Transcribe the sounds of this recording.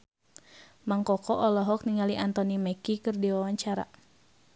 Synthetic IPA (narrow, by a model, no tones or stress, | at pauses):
maŋkɔkɔʔɔlɔɦɔk̚niŋaliʔant̪ɔnimɛkikɨrdiwawaɲt͡ʃaɾa̰